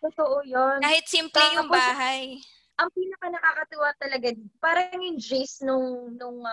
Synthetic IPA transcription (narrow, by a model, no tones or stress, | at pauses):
t̪ʊt̪oʔojonaːhɪt̪̚simplɛjʊaŋpbasɦaj | ʔɐŋpiːnɐkɐnɐkaːkɐt̪ʊwat̪ɐlɐɡapaːɾɐŋjʊŋd͡ʒesnʊŋnʊŋ